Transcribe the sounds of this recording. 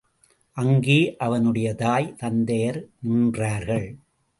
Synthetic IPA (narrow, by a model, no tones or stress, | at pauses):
ʔɐŋɡeːʔɐʋɐnɯɽɐjɐt̪aːjt̪ɐnd̪ɐjɐɾnuːndraːɾɣɐɭ